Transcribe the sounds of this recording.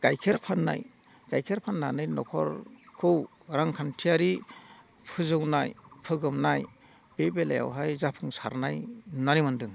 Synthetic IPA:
ɡ̥ajkʰeɾpʰanːa̰j | ɡ̥ajkʰeɾpʰanːanɯjnɔkʰɔ̰ɾkʰɯw | ɾaŋkʰantʰijaɾi | pʰɯzɯwnajpʰɯɡɯmnaj | b̥ebelaja̰wɦajzapʰɯŋsa̰ɾnajnanimandɯŋ

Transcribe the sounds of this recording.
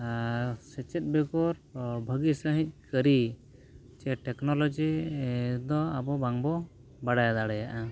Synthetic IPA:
sɛt͡ʃɛt̪̚bɛɡɔɾbʱəɡisəɦĩc̚ˀkəɾi | t͡ʃɛʈɛknɔlɔd͡ʒi | d̪ɔabɔbaŋbɔ | baɽajad̪aɽɛjaʔa

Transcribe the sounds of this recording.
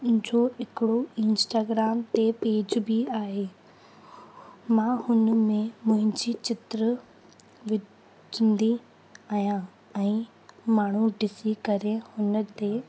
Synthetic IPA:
d͡ʑoːɪkɪɽoɪ̃nsʈaːɡɾaːmt̪epeːd͡ʑbiaːɦeː | mãhʊnmẽmʊ̃ɦɪ̃ɲd͡ʑit͡ɕɪt̪ɾə | ʋɪ | d͡ʒɪnd̪i | aːjã | ɛ̃ː | maːɳ̤uɖɪsikɐɾehʊnt̪e

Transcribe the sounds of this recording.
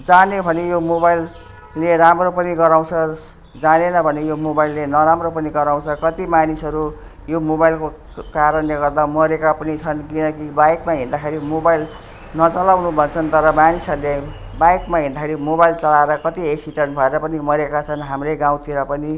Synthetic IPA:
d͡zanebʱʌnejomobajlː | eɾamropʌniɡʌɾaw̃t͡sʰʌ | d͡zanenʌbʱʌnejomobajlːenʌɾamropʌniɡʌɾaw̃t͡sʰʌkʌt̪imanisʌɾu | jomobajlko | kaɾʌnleɡʌrd̪amʌɾekapʌnit͡sʰʌnkinʌkibajkmaɦĩnd̪akʰeɾimobajl | nʌt͡sʌlawnubʱʌt͡sʰʌnt̪ʌɾʌmanisʌrle | bajkmaɦĩnd̪akʰeɾimobajlt͡sʌlaeɾʌkʌt̪ieksiʈʌnbʱʌeɾʌpʌnimʌɾekat͡sʰʌnɦamrʌɡãw̃t̪iɾʌpʌni

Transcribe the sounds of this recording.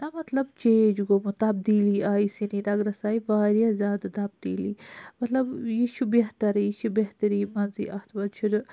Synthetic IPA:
t̪ɐmɐt̪lɐbt͡ʃeːd͡ʒɡomut̪ɐb̚d̪iːliaːisinid̪ɐɡɾɐsaːiʋaːɾjazjaːd̪at̪ɐb̚d̪iːliːmɐt̪lɐbjiʃubeɦt̪ɐɾjiʃubeɦt̪ɐɾiːmɐnzḭʔɐht̪ʰbɐd̪t͡ʃʰiɾ

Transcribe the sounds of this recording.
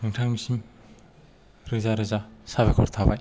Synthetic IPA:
nɯŋtʰaŋmisim | ɾɯzaɾɯzasaβekʰɔɾt̪ʰabaj

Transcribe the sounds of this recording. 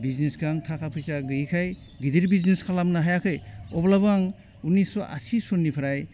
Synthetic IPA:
biznisɡaŋtʰakʰapʰɯjsaɡɯjkʰaj | ɡidiɾbizniskʰalamnaɦajakʰɯjɔblabaŋ | unisɔʔa̰sisonːipʰaɾaj

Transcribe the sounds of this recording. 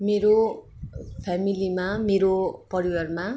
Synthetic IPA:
meɾo | pʰamilimameɾopʌɾiwʌrma

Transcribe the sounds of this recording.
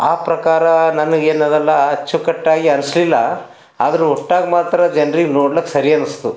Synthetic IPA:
aːpɾɐkaːɾɐnɐnɐɡeːnɐd̪ɐlːɐɐt͡ʃːukɐʈːaːɡiɐnɐslilːɐ | a̰ːd̪ɐɾuɔʈːaːɡmaːt̪ɾɐd͡ʒɐnɾiɡnoːɽlɐkːesɐɾiɐnɐst̪u

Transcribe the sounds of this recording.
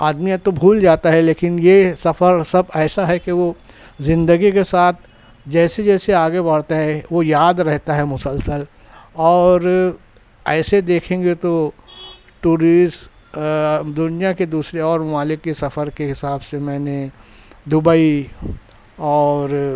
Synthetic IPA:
aːd̪mijãt̪obʱuːld͡ʒaːt̪aɦɛleːkɪnjesɐfəɾsɐbɛːsaɦɛkeʋo | zɪ̃nd̪əɡikesaːt̪̚ʰ | d͡ʒɛːsed͡ʒɛːseaːɡebɐɽ̤t̪aɦɛʋojaːd̪ɾɛɦt̪aɦɛmʊsəlsəl | ɔːɾ | ɛːsed̪eːkʰẽːŋɡet̪o | ʈuːɾisʈ | d̪ʊnijaked̪uːsɾeɔːɾmɐmaːlɪkːesɐfəɾkeɦɪsaːbsemɛ̃ːne | d̪ʊbai | ɔːɾ

